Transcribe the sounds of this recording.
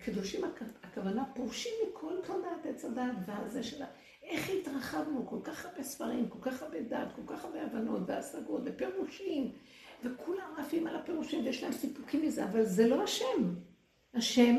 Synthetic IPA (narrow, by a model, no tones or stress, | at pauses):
kʰid̪oʃimaakavanapoʁʃimikʰo̞lkadat̪et͡sadat̪vazeʃela | ʔe̞χhitʁaχavnuko̞lkaχaʁbesfaʁimko̞lkaχaʁbeda̰ːt̪ko̞lkaχabeavano̞t̪beasaɡo̞tvepeʁuʃim | ve̞kʰulamaːfimalapeʁuʃimvejeʃlaemsipukimizeavalzelo̞aʃe̞m | haʃe̞m